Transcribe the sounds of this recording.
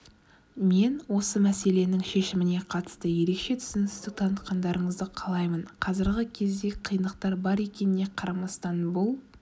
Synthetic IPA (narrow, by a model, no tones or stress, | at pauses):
me̞nwo̞səmæse̞le̞nɪŋʃe̞ʃɪmɪne̞qʰɑt̪ə̥st̪əje̞ɾe̞kʃe̞t̪ʰʏ̥zɪnɪst̪ɪk̚t̪ʰɑnət̪̚qɑnd̪ɑɾəɴəzd̪əqʰɑlˠɑjmənqʰɑzɪɾɡʲɪkʲʰe̞zd̪e̞qʰijnəq̚t̪ɑɾbɑɾe̞kʲe̞nɪne̞qʰɑɾɑmɑst̪ɑnbʊlˠ